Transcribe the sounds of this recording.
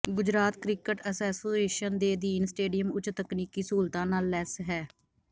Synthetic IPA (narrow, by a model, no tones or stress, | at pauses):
ɡʊd͡ʒɾaːt̪kɾɪkəʈəsɛːsoeːʃənd̪eːd̪iːnsʈeːɖijəmʊt͡ʃt̪əkniːkiːsuːlt̪ãːnaːlːɛːsɦɛː